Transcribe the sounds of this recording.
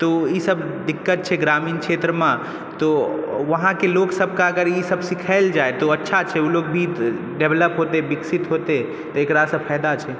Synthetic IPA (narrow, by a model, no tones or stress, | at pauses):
t̪ɔisəb | ɖikːət̪̚t͡ʃʰɛɡɾamiːnkʰt͡ʃʰet̪ɾəmã | t̪ɔʋəɦãkeloksəbʱkaəɡəɾisəbsikʰəɪld͡ʒaet̪ɔətːʃʰat͡ʃʰɛulokbʱi | ɖebləpɦot̪ebiksit̪ɦot̪e | t̪ɔekɾasə̃pʰəjd̪at͡ʃʰɛ